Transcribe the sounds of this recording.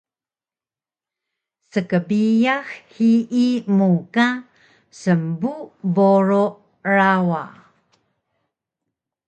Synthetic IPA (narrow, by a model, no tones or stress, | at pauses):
səkəbijaxhiimuka | səmbuboɾo | ɾawa